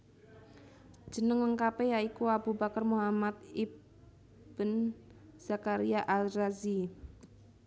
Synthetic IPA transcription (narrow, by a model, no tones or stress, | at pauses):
d͡ʒ̥ə̤nəŋləŋkapejaikuabubakərmuɦamat̪i | b̥ənz̥akaɾiaʔalrazi